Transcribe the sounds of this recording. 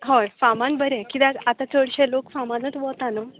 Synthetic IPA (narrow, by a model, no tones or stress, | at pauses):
ɦojfamãnbəɾɛ̃kit̪ãkat̪ãt͡səɽɕɛlokfamãnət͡sʋɔt̪anə